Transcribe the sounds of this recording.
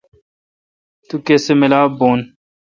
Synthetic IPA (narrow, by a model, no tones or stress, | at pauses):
t̪ukeːsemɪlaːboːn